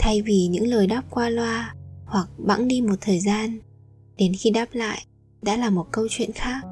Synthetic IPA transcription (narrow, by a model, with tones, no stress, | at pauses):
t̪ʰa˧jvi˨˩ɲɨ̰˧˥ŋləː˨˩jɗaː˦˥p̚kwaː˧lwaː˧hwa˨˩k̚ɓa̰˧˥ŋɗi˧mo˨˩t̚t̪ʰəː˨˩jzaː˧n | ɗe˨˦nxi˧ɗaː˦˥p̚la̰ː˧˨j | ɗa̰ː˧˥laː˨˩mo˨˩t̚kə˧wt͡ɕwḭ˧˨ənxaː˦˥k̚